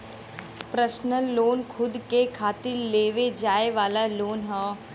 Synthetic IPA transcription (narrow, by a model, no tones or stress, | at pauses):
pɾəʃnəlːoːnkʰʊd̪kekʰaːt̪ɪɾleːʋed͡ʒaːeʋaːlaloːnɦɔː